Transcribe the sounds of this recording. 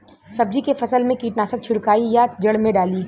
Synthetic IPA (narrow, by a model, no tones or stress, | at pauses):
sɐb̚d͡ʒikefɐsəlmẽkiːʈnaːsək̚t͡ʃʰʊɽkaːijad͡ʒɐɽmẽɖaːliː